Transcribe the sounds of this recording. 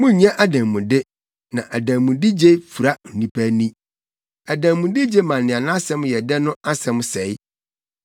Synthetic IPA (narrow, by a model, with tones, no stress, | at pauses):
mʊ̃˦ɲã˦ʔa˨dã˨mũ˨dɪ˦ | nã˨ʔa˨dæ̃˨mũ˨di˦d͡ʑe˦fu˨ɾa˦˨nĩ˦pʰæ˦nĩ˦ | a˨dæ̃˨mũ˨di˦d͡ʑe˦mã˨nnɪ̃˨a˨nʊ̃˦a˦sɛ̃˦mjɛ˨dɛ˦nʊ̃˦a˦sɛ̃˦msɛ˨˦j